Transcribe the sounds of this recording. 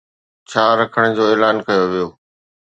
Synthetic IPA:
t͡ɕʰaːɾɐkʰəɽ̃d͡ʑoːeːlaːnkɐjoʋijoː

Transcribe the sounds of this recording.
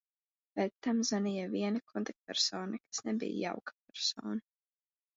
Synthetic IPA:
bɛt̪t̪ːamzanijaviɛnakʰɔnt̪ak̚t̪̚pɛɾsoːnakḁsnɛbḭja̰ja̰wkḁp̚ɛɾsɔ̰ːna

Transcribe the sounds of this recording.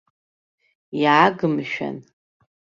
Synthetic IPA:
iʕaɡɨmʃᶣa̰n

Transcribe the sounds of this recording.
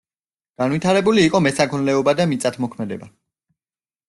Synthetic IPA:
ɡ̥anwit̪ʰaɾɛbuliːqʼɔmɛsakʰɔnlɛɔbad̪amit̪sʼat̪ʰmɔkʰmɛd̪ɛba

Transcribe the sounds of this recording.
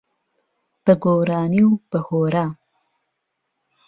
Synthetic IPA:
b̥əɡoɾɑːniwbəhoɾa

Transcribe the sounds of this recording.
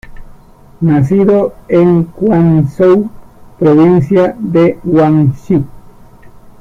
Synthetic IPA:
nas̬iðoeŋkwansowpɾoβinsjad̪ewaŋʃik

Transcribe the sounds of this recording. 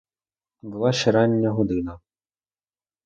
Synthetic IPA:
bɨlˠaɕɛɾanʲːɐɦud̪ɨnɐ

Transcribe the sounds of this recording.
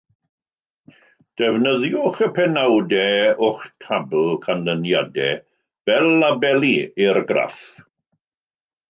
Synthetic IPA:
d̥ɛvnəðjʊχəpʰɛnawdɛʊχtʰabl̩ˠkʰanlənjadɛ̰ | b̥ɛlabɛlˠiirɡra̰θ

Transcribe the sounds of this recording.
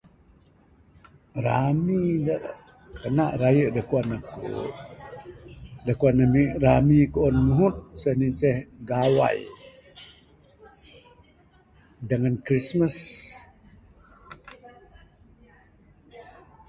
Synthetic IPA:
ɾamidaʔ | kənaʔɾajəʔdəkuanakṵ | dəkuanamiramikuʔɔnmuɦut̪̚səhnint͡ʃəhɡawa̰j | dəŋankɾisməs

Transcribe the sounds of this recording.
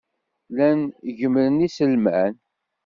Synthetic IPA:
lænʝəmɾənisəlmæn

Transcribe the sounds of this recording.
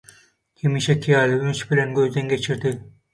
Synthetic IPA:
kʲʰemiʃɛkʰijɑːlɪynʃbɪlænɡʲɵzd̪æŋɡʲet͡ʃʰiɾd̪ɪ

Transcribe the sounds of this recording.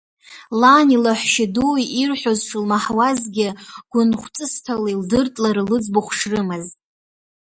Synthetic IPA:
lanilaħʷʃɪduiirħʷᶣozʂlmaħwazɡʲɪɡ̥ʷʊnχʷt͡sʼɨstʰalaildɨrtʼlaɾɨlɨd͡zboχʷʂrɨmaztʼ

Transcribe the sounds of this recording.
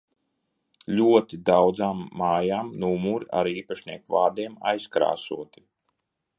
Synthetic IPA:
lʲuɔt̪id̪awd̪zaːmːaːjaːmnumuɾa̰ɾiːpaʃnʲiɛkvaːd̪iɛma̰jskɾa̰ːsṵɔt̪i̥

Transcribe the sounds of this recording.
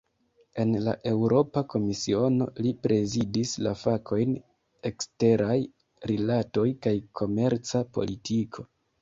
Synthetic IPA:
e̞nla̰ʔe̞wɾo̞pako̞misio̞no̞̰lipɾe̞zidislafakʰo̞jn | e̞kste̞ɾʔaj | ɾilato̞jkajkʰo̞me̞ɾt͡sapo̞̰litʰikʰo̞

